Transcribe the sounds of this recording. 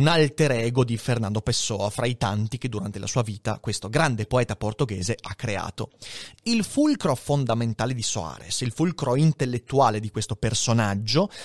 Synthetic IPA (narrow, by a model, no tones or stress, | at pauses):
unalt̪eɾɛːɡod̪ifernand̪opesːɔːafɾʔait̪ant̪ik̟ed̪ːuɾant̪ela̰suːaviːt̪a̰kwest̪oɡɾand̪epoɛːt̪aport̪oɡeːzeʔakːɾea̰ːt̪o̰ilfulkɾofond̪ament̪aːled̪iso̰a̰ːɾḛsilfulkɾoint̪elːet̪ːuaːled̪ikwest̪opersonad͡ʒːo